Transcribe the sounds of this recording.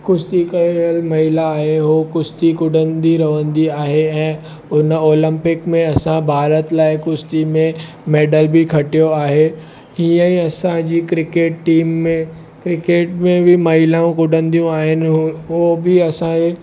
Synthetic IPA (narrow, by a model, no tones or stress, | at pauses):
kʊst̪ikɐeəlmɐɦɪlaːɦeɦokʊst̪ikʊɖʱə̃nd̪iɾɐʋə̃nd̪iaːɦeɛ̃ː | ʊnoːlə̃mpɪkmẽɐsãbʱaːɾət̪laːɪkʊst̪imẽ | meːɖəlbʱɪkʰɐʈijoaːɦe | iːə̃iɐsãd͡ʑiːkɾɪkeːʈ̚ʈiːmːẽ | kɾɪkeːʈmẽbɪmɐɦɪlaũkʊɖʱə̃nd̪ijũaːɦɪnɪɦobɪɐsãke